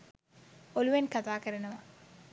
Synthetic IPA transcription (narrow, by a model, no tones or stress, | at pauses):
oluʋenkɐt̪aːkɐɾɐnɐmɐ